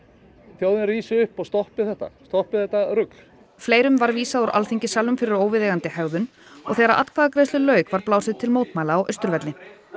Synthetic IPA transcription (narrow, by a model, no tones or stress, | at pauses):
θjowðɪnriːsʏhpɔɣst̪ɔhpɪθɛht̪ːa̰st̪ɔhpɪθɛt̪ːaɾʏkl̥ | fleːjɾʏmvaɾviːsaðɔɾʔa̰lθiɲcɪsaːlːʏmfɪɾɪɾoːwvɪðeːɣant̪ɪhɛɣðʏn | ɔ̰ɣθɛːɣɾaʔa̰t̪kʰvaːðakɾejst̪ʏlœːɥkvaɾplaːwsɪðt̪ʰɪlmoːwt̪maːjlaaʔœ̰st̪ʏɾvɛt̪lɪ